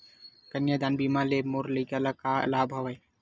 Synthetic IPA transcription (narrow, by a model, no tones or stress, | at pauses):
kɐnjad̪aːnbiːmaleːmoɾlikalakaɐ̰laːbʱɐʋɐj